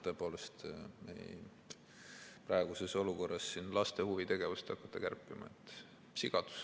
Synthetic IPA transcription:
t̪ø̞epo̞ːle̞st̪mḛj | prɑeɡ̥use̞so̞luko̞rːɑsːinlɑst̪e̞huvit̪e̞ɡ̥e̞vust̪ɑkːɑ̥t̪ˑːɑkærpːˑimɑ̰ḛt̪ːˑ | siɡ̥ɑd̪̥u̥s

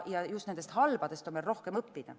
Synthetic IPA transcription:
jɑjustnend̪est̪hɑlb̥ɑd̪̥e̞st̪o̞nmelro̞hke̞mɤpːid̪̥ɑ̰

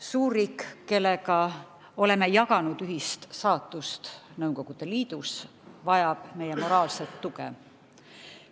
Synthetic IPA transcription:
suːrːiːkkːe̞lːe̞kɑ | o̞le̞me̞jɑkɑnud̪yɦist̪sɑːt̪ːˑust̪nɤwko̞ɡ̥ud̪̥e̞liːd̪̥us | vɑjɑb̥me̞je̞mo̞ɾɑːlse̞t̪ːukḛ

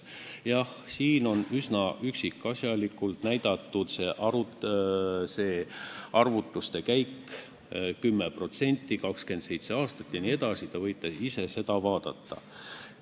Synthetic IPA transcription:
jɑhsiːno̞nysnɑʔyksikːˑɑsjɑlikːˑult̪næjd̪̥ɑt̪ˑːut̪se̞ʔɑɾu | se̞ːɑrvut̪ːˑust̪e̞kæjkː | kymːepro̞t̪se̞nʲt̪ːˑikɑkske̞nt̪se̞jt̪se̞ɑːst̪ɑt̪ːˑjɑnie̞d̪̥ɑsit̪ɑvɤjt̪ːˑesise̞se̞d̪̥ɑvɑːd̪̥ɑt̪ːɑ̰

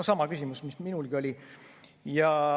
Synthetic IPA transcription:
osɑmɑkysʲimusmisminulɡ̥io̞lʲi | jɑ

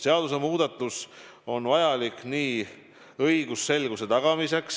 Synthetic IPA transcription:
seɑd̪use̞muːd̪̥ɑt̪ːˑus | o̞nvɑjɑlikniː | ɤjɡ̥usːe̞lɡ̥use̞t̪ɑɡ̥ɑmise̞ks

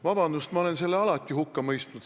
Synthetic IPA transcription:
vɑb̥ɑnd̪ust̪mɑo̞le̞nse̞lːeɑlɑt̪ʲːˑihukːɑmɤjst̪nud̪

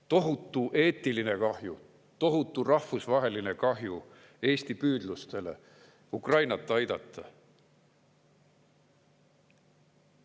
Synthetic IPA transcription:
t̪o̞ɦut̪ːˑuʔe̞ːt̪ːiline̞kɑhju | t̪o̞ɦut̪ːˑurɑhfusvɑɦe̞line̞kɑɦju | e̞ːst̪ipyːd̪̥lust̪e̞le̞̰ | ukrɑjnɑt̪ːˑɑjd̪̥ɑt̪ːˑɑ

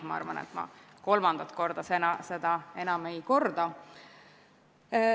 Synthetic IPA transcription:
mɑɑ̰ɾvɑ̰nḛt̪mɑ̰ | ko̞lmɑnd̪̥ɑt̪ˑko̞rd̪̥ɑsenɑse̞d̪̥ɑe̞nɑme̞jko̞rd̪̥ɑ

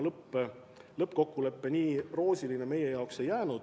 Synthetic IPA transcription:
lɤpːˑe | lɤpːko̞kːule̞pːe̞niːro̞ːsʲiline̞me̞je̞jɑokse̞jːæːnud̪̥

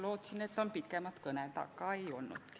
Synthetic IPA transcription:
lo̞ːt̪sinet̪ːˑo̞npikːˑemɑt̪kɤnet̪ɑ̰kːˑɑejo̞lnṵt̪ki̥

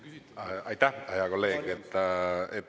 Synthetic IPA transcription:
ajt̪aajaɣolejket̪ae

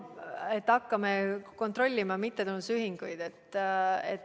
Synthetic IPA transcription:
et̪ːɑkːɑmeko̞nt̪ro̞lʲːimɑmit̪ːet̪unːusyɦiŋɡ̥ujd̪et̪ːḛt̪

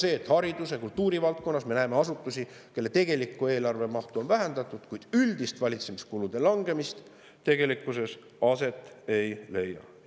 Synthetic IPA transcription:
se̞ːt̪hɑɾid̪̥usekult̪ːuːɾivɑlt̪̚ko̞nːɑsme̞næːme̞ɑsut̪ːˑusike̞lːe̞t̪e̞ɡ̥e̞likːˑue̞ːlɑrve̞mɑht̪uo̞nvæɦend̪̥ɑt̪ːˑud̪̥kujd̪̥yld̪̥ist̪vɑlʲit̪se̞miskulud̪̥e̞lɑŋɡe̞mist̪ | t̪e̞ɡ̥e̞likːˑuse̞s | ɑse̞t̪ːˑe̞jle̞jːɑ̰

